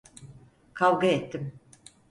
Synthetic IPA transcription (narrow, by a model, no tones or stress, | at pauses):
kʰavɡaet̪ʰːɪm